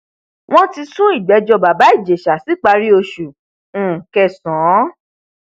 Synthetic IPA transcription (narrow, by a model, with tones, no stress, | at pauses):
w̃ɔ̃˦ti˧sũ˦i˦˨ɡ͡bɛ˨˦d͡ʒɔ˧ba˨ba˨˦i˦˨d͡ʒe˨ʃa˨si˨˦k͡pa˧ɾi˦o˧ʃũ˨˦˨ | kɛ˧˨sɔ̃˨˦